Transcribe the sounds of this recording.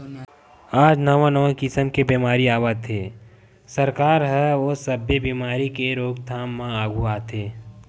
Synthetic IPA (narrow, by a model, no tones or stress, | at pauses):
aːd͡ʒnəʋãnəʋãkɪsəmkebiːmaːɾiaːʋaːt̪ʰeː | səɾkaːɾɦɛʋosəbjebiːmaːɾikeɾoːɡt̪ʰaːmːãaːɡuaːt̪ʰeː